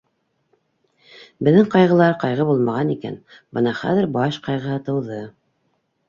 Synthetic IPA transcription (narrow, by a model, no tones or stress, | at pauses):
bɘ̆ðːɘŋqɑjʁɤ̆lˠɑɾqɑjʁɤbulˠmɑʁɑnikæ̰n | bɤnɑχæ̰ðɘɾbɑʃqɑjʁɤ̆hɤt̪ɤ̆wðɤ